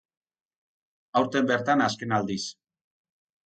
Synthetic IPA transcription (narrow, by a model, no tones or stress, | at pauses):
awɾt̪e̞mbeɾt̪anaske̞nald̪is